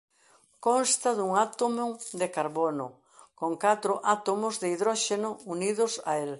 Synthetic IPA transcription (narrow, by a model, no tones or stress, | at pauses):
konst̪ɐðuŋat̪omod̪ekaɾβonʊ | koŋkat̪ɾʊʔat̪omʊzðeiðɾɔʃenʊuniðʊsa̰el